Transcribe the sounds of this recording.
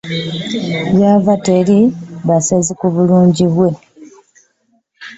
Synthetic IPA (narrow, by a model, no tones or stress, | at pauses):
βjavateɾiβasezikuβuluːɲɟiβwe̞